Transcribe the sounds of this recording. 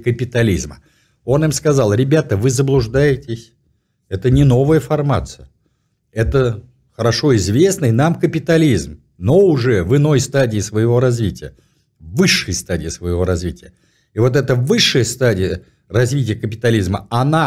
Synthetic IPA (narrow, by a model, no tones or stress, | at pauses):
kəpʲɪt̪ɐlʲizmə | o̞nɨmskɐzɑlˠɾʲɪbʲat̪əvɨzəblˠʊʐd̪ajɪtʲɪsʲ | ɛt̪ənʲɪno̞vəjəfɐrmat̪sɨjə | ɛt̪ə | xəɾɐʂo̞ɪzvʲe̞snəɪnamkəpʲɪt̪ɐlʲizm | no̞ʊʐɛvɨno̞jst̪adʲɪɪsvəjɪvo̞ɾɐzvʲitʲɪjə | vɨʂːɨjəst̪adʲɪːsvəjɪvo̞ɾɐzvʲitʲɪjə | ɪvo̞t̪̬ɛt̪əvɨʂːəjəst̪adʲɪjə | rɐzvʲitʲɪjəkəpʲɪt̪ɐlʲizməɐna